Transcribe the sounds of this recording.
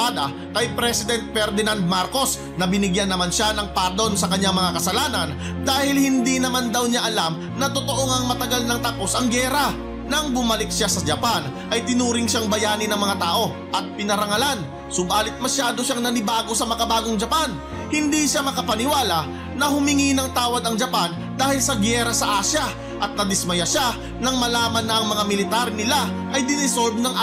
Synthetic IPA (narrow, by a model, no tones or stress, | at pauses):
ad̪ɐ | kɐjpɾɛsɪd̪ɛnt̪̚fɛɾd̪ɪnand̪̚maɾko̞s | nɐbɪnɪɡjanːɐmanʃanɐŋpaːd̪o̞nsɐkɐɲːaŋmɐŋakɐsɐlaːnɐn | d̪aːhɪlhɪnd̪inɐmand̪ɐwɲaʔɐlam | nɐt̪ot̪o̞ʔoŋɐŋmɐt̪ɐɡalnɐŋt̪ɐpo̞sɐŋɡɛːɾɐ | nɐŋbʊmɐlɪk̚ʃasɐd͡ʒɐpanʔɐjt̪ɪnuːɾɪŋʃaŋbɐjaːnɪnɐŋmɐŋat̪aːʔo̞ | ʔɐt̪̚pɪnɐɾɐŋɐlan | sobaːlɪt̪̚mɐʃaːd̪o̞ʃaŋnɐnɪbaːɡo̞sɐmɐkɐbaːɡo̞ŋd͡ʒɐpan | hɪnd̪iʃamɐkɐpɐnɪwaːlɐ | nɐhʊmɪŋinɐŋt̪aːwɐd̪ɐŋd͡ʒɐpan | d̪aːhɪlsɐɡɛɾɐsɐʔaːʃjɐ | ʔɐt̪̚nɐd̪ɪsmɐjaʃa | nɐŋmɐlaːmɐnːɐʔːŋmɐŋamɪlɪt̪aɾnɪla | ʔɐjd̪ɪnɪsolb̪nɐŋ